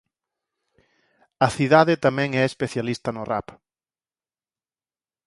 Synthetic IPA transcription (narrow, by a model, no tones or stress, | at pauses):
ɐθiðaðɪt̪amɛ̃ŋɛespeθjalist̪ɐnʊra̰p